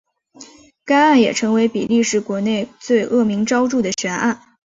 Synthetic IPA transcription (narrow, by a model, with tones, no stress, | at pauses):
ka˥ɪa˥˩njɛ˨˩ʈ͡ʂʰɤ˧˥ŋwe˧˥ɪpḭ˨˩li˥˧ʂɻ̩˨˩kwɔ˧˥ne˥˧ɪt͡swe˥˧ɪʔɤ˥˩mi˧˥ŋʈ͡ʂɑ˥ʊʈ͡ʂu˥˩d̪ə˩ɕɥɛ˧˥na˥˩n